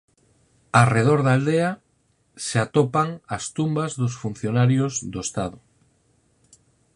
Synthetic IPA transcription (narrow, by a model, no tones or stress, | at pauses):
areð̞oɾðald̪ea | seat̪opaŋast̪umbazðosfun̟θjonaɾjozðoest̪aðʊ